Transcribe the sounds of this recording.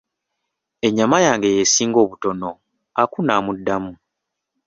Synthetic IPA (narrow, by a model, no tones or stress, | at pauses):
e̞ɲːamajaːŋɡe̞jesiːŋɡo̞ːβuto̞no̞ | akunamudːamu